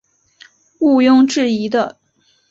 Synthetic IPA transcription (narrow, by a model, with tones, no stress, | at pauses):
u˥˧jʊ˥˧ŋʈ͡ʂɻ̩˥˩i˧˥d̪ə˧